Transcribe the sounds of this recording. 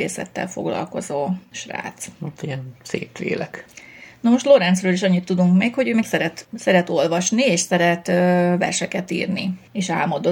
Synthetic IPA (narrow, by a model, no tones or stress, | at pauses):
ḛːsɛ̰t̪ːɛ̰lfo̞̰ɡlɒ̰lko̞zoːʃra̰ːt̪sot̪ːiɛnsḛːpʋḛːlɛknɒmo̞ʃt̪loɾɛnt̪srøːliʃɒɲːit̪ːud̪uŋkmeːkho̞ɟøːmɛːksɛɾɛt̪sɛɾɛt̪o̞lvɒʃnieːʃsɛɾɛt̪ːvɛ̰rʃɛkɛt̪ḭːrni | eːʃaːlmod̪o